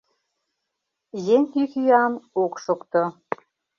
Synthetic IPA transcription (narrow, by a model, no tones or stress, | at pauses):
jeŋk̪ykyɑnokʃokt̪o